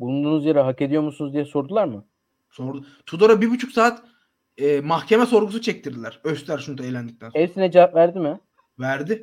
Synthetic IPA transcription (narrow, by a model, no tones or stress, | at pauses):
bulˠund̪uːnuzjaɾɛɦake̞d̪ijo̞ɾmusunuzd̪ijɛso̞ɾd̪ulˠaɾmɯ | so̞ɾd̪u | t̪ʰud̪oɾabibut͡ʃʰuksaːt̪ | ɛmaxcʰemɛso̞ɾɡusut͡ʃʰɛc̚t̪ʰiɾd̪ilʲæɾøst̪lʲæɾʃund̪aelʲænd̪ic̚lænɛvsinɛd͡ʒavapvæɾd̪imɪ | væɾd̪ɪ